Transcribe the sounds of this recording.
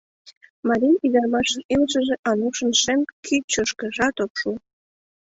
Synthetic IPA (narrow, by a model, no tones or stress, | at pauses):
mɑɾinid̪ɑrmɑʃilʒəʒĕʔɑnuʃə̆nʃemkʰit͡ɕoʃkə̆ʒɑt̪opʃu